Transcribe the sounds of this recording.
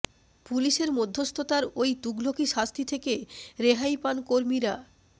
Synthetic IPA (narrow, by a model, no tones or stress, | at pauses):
puliʃeɾmod̪ʱːost̪ʰot̪aɾojt̪uɡlokiʃast̪ʰit̪ʰekeɾeɦajpankoɾmiɾa